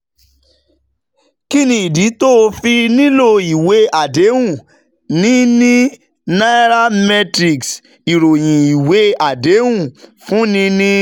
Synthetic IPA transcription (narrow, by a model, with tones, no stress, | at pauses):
ki˦nĩ˧i˨di˨˦to˦˧fi˧nĩ˦lo˦i˨we˨˦a˨de˨˦ũ˦˨ | nĩ˦nĩ˦ | na˦ɾa˦mɛ˧tɾi˨ks | i˨ɾo˨j̃ĩ˨i˨we˨˦a˦˨de˨˦wũ˦˨fũ˦nĩ˦nĩ˦